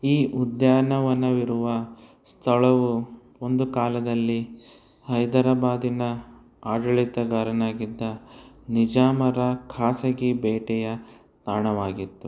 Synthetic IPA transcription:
iːʔud̪jaːnɐʋɐnːɐʋiɾuʋɐ | st̪ʰɐɭɐʋu | o̞nd̪ukaːlɐd̪ɐlːi | hɐjd̪ɐɾɐbaːd̪inɐ | aːɖɐɭit̪ɐɡaːɾɐnaːɡid̪ːɐnid͡ʒaːmɐɾɐkʰaːsɐɡibɛːʈɛjɐ | t̪aːɳɐʋaːɡit̪ːu

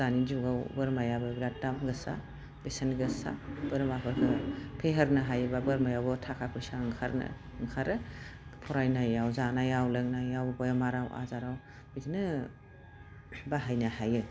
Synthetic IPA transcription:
zanid͡ʒuɡawbɯɾmajabɯbiɾat̚damɡɯsa̰ | besanɡɯsa̰b̥ɯɾmapʰɯɾkʰɯpʰeɦɯɾnɯɦajɯbabɯɾmajawbɯtʰakʰapʰɯsaɯŋkʰaɾnɯ̰ | ɯŋkʰaɾɯpʰɔɾajnajawzanajawlɯŋnajawbɔjamaɾawa̰zaɾaw | bitʰinɯ | baɦajnahajɯ

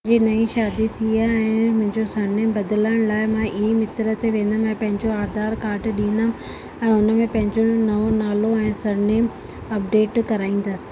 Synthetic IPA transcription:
d͡ʑiːnɐĩʃaːd̪it̪ʰiaɛ̃ːmʊ̃ɦɪ̃ɲd͡ʑosɐɽneːmbɐd̪ɪləɽ̃laːɪmãːʔiimɪt̪ɾə̆t̪eʋẽːn̆d̪əmɛ̃ːpɐ̃ɦɪ̃ɲd͡ʑoaːd̪ʱaːɾkaːɾʈɗĩːn̆d̪əm | ɛ̃ːʊnə̆mẽpɐ̃ɦɪ̃ɲd͡ʑonɐʋonaːloɛ̃ːsɐɾneːm | ɐp̚ɖeːʈkɐɾaːĩːn̆d̪əsɪ̥̆

